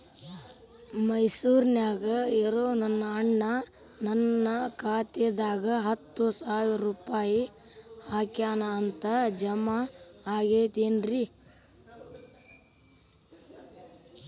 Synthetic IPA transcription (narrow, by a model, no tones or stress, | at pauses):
mɐjsuːɾnjaːɡɐeɾoːnɐnːɐːɳːɐ | nɐnːɐkaːt̪ed̪aːɡɐɦɐt̪ːusaːʋiɾɾɾuːpaːji | haːkjaːnaːnt̪ɐd͡ʒɐmaaːɡeːt̪eːnɾi